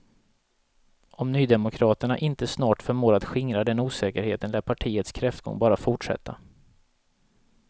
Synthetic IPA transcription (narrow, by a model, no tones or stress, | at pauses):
ʔɔmnyːd̪ɛmʊkʰɾɑːt̪əɳaʔɪnt̪əsnɑːʈfœɾmoːɾat̪ɧɪŋɾad̪ɛnuːsɛːkəɾheːt̪ənlæːpʰaʈʰiːət̪skʰɾɛft̪̚ɡɔ̰ŋbɑːɾafʊʈʂɛ̰t̪ʰːa̰